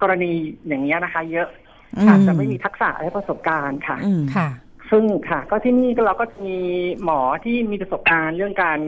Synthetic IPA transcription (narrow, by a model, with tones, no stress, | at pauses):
kɔː˧ɾa˧niː˧jaː˨˩ŋːni˦˥ɐna˦˥kʰa˦˥jɤ˦˥ʔ | kʰa˨˩t͡ɕa˨˩ma˥˩jmiː˧t̪ʰa˦˥k̚sa̰ː˨˩˦lɛ˦˥pɾa˧so˨˩p̚kaː˧nkʰa˥˩kʰa˥˩ | sɯ˥˩ŋkʰa˥˩kɔː˥˩t̪ʰiː˥˩niː˥˩kɔː˥˩ɾa˧wkɔː˥˩t͡ɕa˨˩ʔmiː˧mɔː˩˦t̪ʰiː˥˩miː˧pɾa˧so˨˩p̚kaː˧nɾɯ˥˩əŋkaː˧n